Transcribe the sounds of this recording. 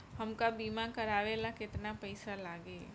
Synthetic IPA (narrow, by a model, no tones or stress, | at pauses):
hɐmkabiːmakɐɾaːʋeːlakɪt̪napɐɪsalaːɡeː